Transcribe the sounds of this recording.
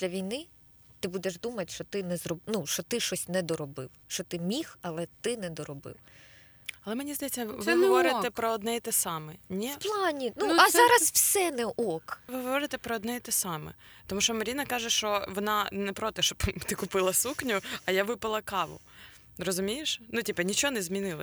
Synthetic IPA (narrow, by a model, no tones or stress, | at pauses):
d̪̥lʲɐʋʲijnɪ | t̪ɪbud̪ɛʒd̪umɐtʲʃt͡ʃɔt̪ɪnɛzɾɔbnuʃt͡ʃɔt̪ɪʃt͡ʃɔsʲnɛd̪ɔɾɔbɪ̰wʃt͡ʃɔt̪ɪmʲixɐlˠɛt̪ɪnɛd̪ɔɾɔbɪ̰w | ɐlˠɛmenʲizd̪ɐjɛt͡sʲːɐʋɪɦɔʋɔɾɪt̪ɛpɾɔɔd̪nɛjt̪ɛsɑmɛnʲiplˠɑnʲinuɐzɑɾɐswsɛnɛʔɔkʋɪɦɔɔʋɔɾɪt̪ɛpɾɔːd̪nɛit̪ɛsɑmɛ̰t̪ɔmuʃt͡ʃɔmɐɾʲinɐkɑʒɛʃt͡ʃɔʋɔnɑnɛpɾɔt̪ɛʃt͡ʃɔbt̪ɪkʊpɪlˠɐsuknʲʊɐjaʋɪpɐlˠɐkɑʋʊ̰ | ɾɔzʊmʲijeʃnutʲipɐnʲit͡ʃɔnɛzʲmʲinɪlˠɐ